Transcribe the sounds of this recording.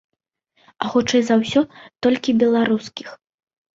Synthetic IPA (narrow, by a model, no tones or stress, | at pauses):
ɐxɔt͡ʂɛjzɐwsʲɔt̪ɔlʲkʲibʲɛlˠaɾuskʲix